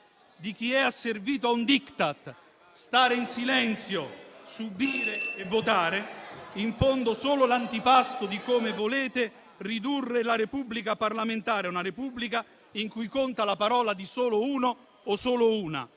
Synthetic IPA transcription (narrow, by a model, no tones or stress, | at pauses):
d̪ik̟iɛasːerviːt̪oaund̪ikt̪at̪ | st̪aːɾɪinsilɛnt̪sjosubiːɾɪːvːot̪aːɾeiɱfond̪ʊsoːlʊlant̪ipast̪ʊd̪ikomɪvoleːt̪ɪ | rid̪urːɪlaɾepubːlikaparlamɪnt̪aːɾɪaunaɾepubːlika | iŋkujkont̪alapaɾɔːlad̪isoːlʊuːnoː | soːlʊuːna̰